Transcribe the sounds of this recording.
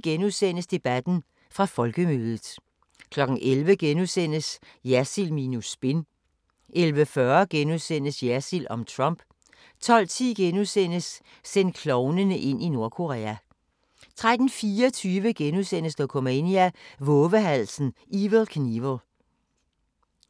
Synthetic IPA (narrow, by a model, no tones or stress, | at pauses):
ɡ̥enuðˠsen̰əsd̥e̝b̥æd̥n̩ | fʁɑ̈fɒ̽lɡ̥əmøːðˠəð̩ˠ | kʰlɒ̽ɡ̥n̩ʔelʋəɡ̥enuðˠsen̰əsjæsilmiːnusb̥e̝n | ʔelʋəfɶɐɡ̥enuðˠsen̰əsjæsilɒ̽mt͡sʰʁɑ̽m̰b̥ | t͡sʰɒ̽l̰t͡sʰḭːɡ̥enusen̰əs | sen̰d̥̚kʰlɒʊnənəʔe̝n̰ino̝ɐkʰo̝ʁɛ̰ːæ | t͡sʰʁad̥n̩fiːɒt͡sʰyːʋəɡ̥enusen̰əsd̥ɒ̽kʰomeniæʋɔ̽ːʋəɦæl̰sn̩ʔiʋəlˠkʰniʋəlˠ